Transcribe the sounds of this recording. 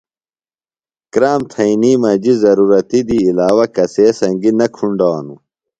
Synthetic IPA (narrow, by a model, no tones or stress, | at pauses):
kɾaːmt̪ʰɐiniːmɐd͡ʑizɐɾuːɾɐt̪id̪iːlaːwɐkɐseːsɐŋɡinɐkʰuɳɖaːnu